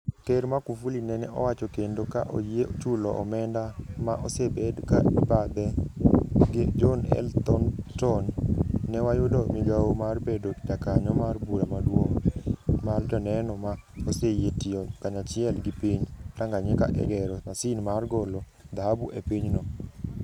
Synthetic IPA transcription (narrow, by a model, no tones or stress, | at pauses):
teɾmakufulinɛnɛɔ̰wat͡ʃɔkendoka̰ʔo̰jet͡ʃulɔʔɔ̰mɛndamaʔɔsebɛdka̰bad̪ɛ | ɡed͡ʒɔnɛ̰lt̪ɔntɔnːɛwajʊdɔmiɡaomarbedokd͡ʒakaɲɔmarbuɾamadwoŋ | mard͡ʒɔnɛnɔmaosejetiɔkaɲat͡ʃɪɛlɡipiɲtaŋɡaɲɛka̰ʔɛ̰ɡɛɾɔmasinmarɡɔlo | d̪aɦabuʔepiɲnɔ